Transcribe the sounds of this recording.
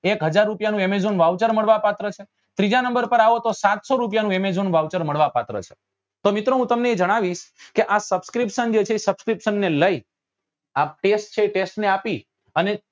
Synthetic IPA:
ekɦəd͡ʒaɾːupjanũemed͡ʒonʋaʋt͡ʃəɾməɭʋapat̪ɾət͡ʃʰe | t̪ɾid͡ʒanəmbəɾpəɾaʋot̪osat̪soɾup̬janũemezonʋaʋt͡ʃəɾməɭʋapat̪ɾə̰t͡ʃʰe̥ | t̪omɪt̪ɾoɦũt̪əmneːd͡ʒəɽ̃aʋiʃkeʔasəbskɾipʃənd͡ʒet͡ʃʰeisəbskɾipʃənːeləi | aʈesʈ̚t͡ʃʰeʈesʈneapi | əne

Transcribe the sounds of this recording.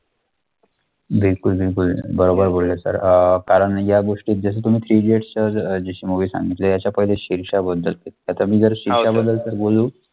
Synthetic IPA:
bilkulbilkulbəɾobəɾbʱoɽlesə̰ɾəkaɾəɳjaɡoʂʈiːt̪̚d͡zəs̬ət̪um̤iːt̪ʰɾiːd͡ʑeʈt͡ɕəd͡ʑeɕiːməɡʋiːsa̰ŋɡit̪lejat͡ɕjapəɦileɕiɾɕabəd̪ːəlk̪et̪at̪amiːd͡zəɾɕiʂabəd̪ːəlsəɾɡoluː

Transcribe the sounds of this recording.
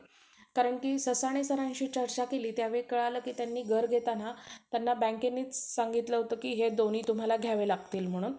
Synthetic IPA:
kaɾəɳkiːsəsaɽ̃esəɾãɲɕiːt͡ɕəɾt͡ɕakeliːt̪jaʋekəɭaləːkiːt̪janːiːɡʱəɾɡʱet̪anat̪janːabə̃ŋkenːiːt͡ssaŋɡit̪ləɦot̪əːkiːɦed̪oñiːt̪um̤alaɡʱjaʋelaɡt̪iːlm̤əɽ̃uːn

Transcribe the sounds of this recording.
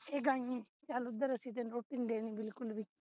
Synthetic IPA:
eɡãŋẽ | t͡ʃaːlʊd̪ːəɾəsit̪̬eːnɾoːʈɪŋɡɖeːnĩbɪlkʊlbʱi

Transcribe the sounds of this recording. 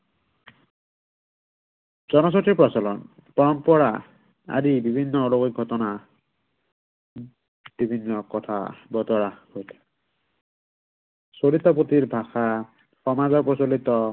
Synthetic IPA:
zɔnɔs̬ɔtɹipɹɔsɔlɔn | pɔnpɔɹa | a̰dibibʱinːɔoloɡik̚ɡʱɔtɔna | b̥ibʱinːɔkɔt̪ʰa̰bɔt̪ɔɹahojtʰɛ̥ | solit̪ɔpot̪iɹbʱaxa | xɔmazɔpɔsolit̪ɔ

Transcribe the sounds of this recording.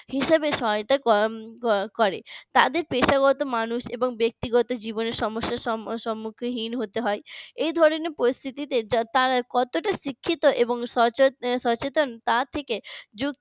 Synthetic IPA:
hiʃabeʃɔɦjt̪akɔ | kɔɾet̪ad̪eɾpeʃaɣɔt̪omanuʃeboŋbek̚t̪iɡɔt̪od͡ʑiboneɾʃɔmoʃːaʃɔʃɔmːukʰeɦinɦot̪eɦɔeejd̪ʱɔɾoneɾpoɾist̪ʰit̪it̪et̪aɾakɔt̪oʈaʃikʰːit̪oʔeboŋsɔʃɔt͡ɕet̪ont̪at̪ʰeked͡ʑuk̪̚

